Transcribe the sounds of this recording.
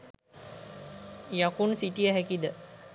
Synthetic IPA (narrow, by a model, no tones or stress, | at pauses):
jakunsiʈijəɦækid̪ə